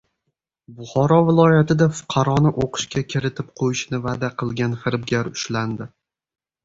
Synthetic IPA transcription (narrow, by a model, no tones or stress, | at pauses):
bʊχɒɾɒvɪlˠɒjat̪ɪd̪afʊ̥qʰɑɾɒnɪʔoqʰɨ̥ʃkʲakʲʰɪɾɪt̪ʰɪp̚qʰojɪʃnɪvad̪aqʰɨlˠɡʲanfɪɾbɡʲaɾʊʃland̪ɪ